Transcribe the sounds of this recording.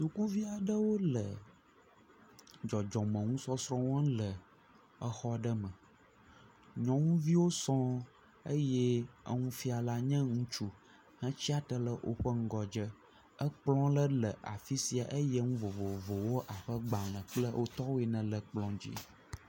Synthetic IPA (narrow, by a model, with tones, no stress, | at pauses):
su˨ku˦vi˦a˨ɖə˦wo˦lə̰˨ | d͡ʒɔ˨d͡ʒɔ̃˨mə̃˨ŋũ˦sɔ˦sɾɔ̃˦wɔ̃˦lə˨ | ə˦xɔ˦ɖə˦mə̃˨ | ɲɔ̃˨˦ŋũ˦vi˦wo˦sɔ̃˦ | ə˦jɛ˦ə̰˦ŋũ˦fi˦a˨la˦ɲɛ̃˦ŋũ˦t͡ʃu˦ | hə̃˦t͡ɕi˦a˦t̪ə˦lə˦ʔo̰˦ɸə˦ŋ̩˦ɡɔ˨d͡ʒə˦ | ə˦k͡plɔ̃˦lə˦lə˨ʔa̰˨fi˦si˦a˨ʔə˦jɛ˦ŋũ˦vo˨vo˨vo˨wo˦ʔa˨ɸə˦ɡ͡ba˨l̃ə̃˨k͡plə˦wʔo˦t̪ɔ˦wo˦ɛ˨nɛ̃˨lə˨k͡plɔ̃˦d͡ʑḭ˦